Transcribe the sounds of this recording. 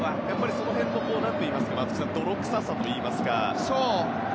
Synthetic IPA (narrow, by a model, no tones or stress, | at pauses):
βajapːaɾʲiso̞no̞ɦẽ̞nːok̪o̞ːnat̪ːe̞imasɨ̥kamazɨ̥kʲi̥sãnd̪o̞ɾo̞kɯ̟̥sasat̪o̞iːmasɨ̥ka̰soː